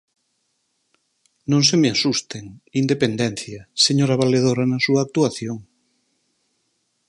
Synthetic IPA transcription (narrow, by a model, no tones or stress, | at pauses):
nõŋsemeasust̪eŋind̪epend̪ɛn̟θjɐseɲoɾaβaleðoɾɐnɐsuɐːk̚t̪uaθjoŋ